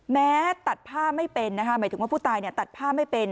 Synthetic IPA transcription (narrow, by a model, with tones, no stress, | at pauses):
mɛː˦˥t̪a˨˩t̪̚pʰaː˥˩pma˥˩jpe˧nːa˦˥kʰa˦˥maː˩˦t̪ɯ˩˦wːpʰu˥˩t̪aː˧jni˥˩t̪a˨˩t̪̚pʰaː˥˩ma˥˩jpe˧n